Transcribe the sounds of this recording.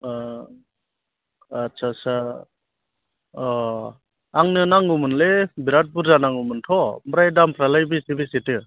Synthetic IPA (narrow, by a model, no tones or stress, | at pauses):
tt͡ʃʰasa | aŋnɯnaŋɡumɯnlebiɾat̚buɾzanaŋɡumɯntʰɔmɾajdampʰɾalajbisibisetɯ